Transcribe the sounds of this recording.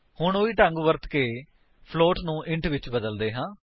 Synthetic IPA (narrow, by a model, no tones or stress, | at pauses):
hʊɳoːiːʈãːŋɡuʋəɾt̪keː | pʰloːʈnũːʔɪ̃ɳʈʋɪt͡ʃbəd̪əld̪eːɦãː